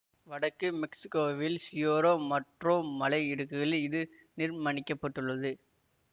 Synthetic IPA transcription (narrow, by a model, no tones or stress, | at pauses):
ʋɐɽɐkːɯmɪksɪ̥kːoːʋɪlsjoːɾoːmɐʈrõːmɐlɐɪɪɽɯkːɯɣɐɭɪðɯ | nɪrmɐɳɪkːɐpːɐʈːɯɭːɐðɯ